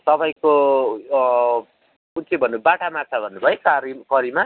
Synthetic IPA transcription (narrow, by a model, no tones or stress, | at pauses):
t̪ʌbʌjko | unt͡sʰibʱʌnːubaʈamat͡sʰabʱʌnːubʱʌekaɾikʌɾima